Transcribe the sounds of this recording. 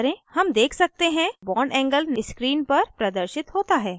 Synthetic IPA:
ɾẽhɐmd̪eːkʰsɐk̚t̪eɦɛ̃bɔːɳɛ̃ːŋɡəlnɪskɾiːnpɐɾpɾɐd̪əɾʃɪt̪ɦoːt̪aɦɛː

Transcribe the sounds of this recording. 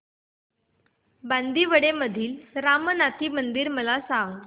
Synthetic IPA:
band̪iːʋəɽeməd̪ʱiːlɾamənat̪iːmənd̪iːɾməlasãŋɡ

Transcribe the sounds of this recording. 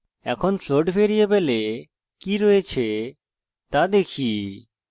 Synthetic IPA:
ɛ̰kʰonfloɖfeɾijebele | kiɾoet͡ɕʰe | t̪ad̪ekʰi

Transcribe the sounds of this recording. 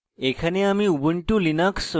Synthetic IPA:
ekʰaneamiubəɳʈulinaks

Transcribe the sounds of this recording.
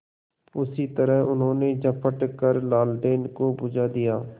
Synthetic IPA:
ʊsit̪əɾəɦʊnɦõːned͡ʒəpʰəʈkəɾlaːlɖeːnkobʊd͡ʒad̪ijaː

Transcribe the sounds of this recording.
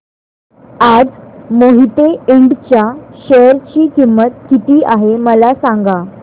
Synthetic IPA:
ad͡zmoɦit̪eeɳɖt͡ɕjaɕəɾt͡ɕiːkimːət̪̚kit̪iːʔaɦeməlasãŋɡa

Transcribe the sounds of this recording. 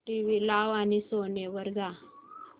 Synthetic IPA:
ʈiʋilaʋanisoneʋəɾɡa

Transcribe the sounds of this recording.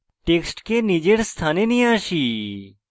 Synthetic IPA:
ʈeksʈkenid͡ʒeɽst̪ʰanenĩaːʃiː

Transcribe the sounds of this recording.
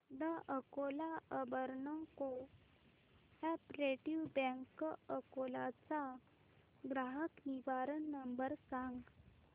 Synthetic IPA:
d̪əʔəkolaəbəɾnɔ̃ko | ɛpɾeʈiʋbɛ̃ŋkəkolat͡sa | ɡɾaɦəkniʋaɾənːəmbəɾsãŋɡ

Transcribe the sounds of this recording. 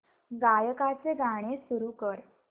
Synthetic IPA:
ɡajəkat͡seɡaɽ̃esuɾukəɾ

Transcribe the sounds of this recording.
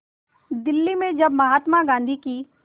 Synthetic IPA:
d̪ɪlːimẽd͡ʒɐbmɐɦaːt̪maɡãːnd̪ʱikiː

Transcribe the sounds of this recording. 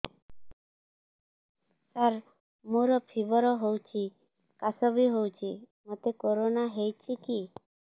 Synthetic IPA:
saɾ | muɾɔpʰibɔɾɔɦowt͡ʃʰi | kasɔbiɦowt͡ʃʰimot̪ekoɾonaɦejt͡ʃʰiki

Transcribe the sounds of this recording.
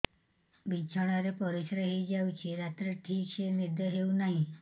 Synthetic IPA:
bit͡ʃʰɔɽ̃aɾepɔɾisɾeɦejd͡ʒawt͡ʃʰiɾat̪ɾeʈʰikt͡ʃʰeniɾd̪ʱɔɦeunaɦĩ

